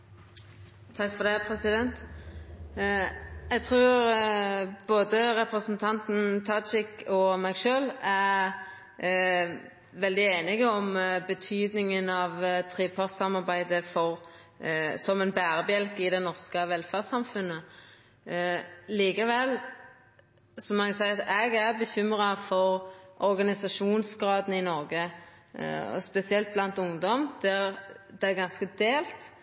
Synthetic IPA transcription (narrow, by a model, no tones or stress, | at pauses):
t̪ʰɑkfɔʁd̪ɛpʰɾɛsɪd̪ɛnt̪ | jɛɡ̚t̪ʰʁʉːɾ | boːd̪əʁɛpɾəsnt̪ʰɑnt̪n̩t̪ʰɑt͡ʃɪkɔmæɡʃøːlæ | ʋɛld̪ɪeːnɪɡəɔmbət̪ʰyːd̪nɪŋənɑʋt̪ʰʁeːpʰɑʁsɑmɑʁbæɪd̪əfɔʁ | sɔmɛnbæːɾəbjɛlkɪd̪ɛnɔʁskəʋɛlːfæʁsɑmfʉnːə | liːkəʋɛl | sɔmɑnsæɪɑt̪ɛɡæʁbəçʏmɾɑfɔɾʔɔɾɡɑnɪsɑʂuːnsɡʁɑːd̪n̩ɪnɔɾɡə | ɔ̰spɛsɪɛlt̪̚blɑnt̪ʊŋd̪ɔmd̪̥ɛʁd̪ɛæɡɑnskəd̪eːlt̪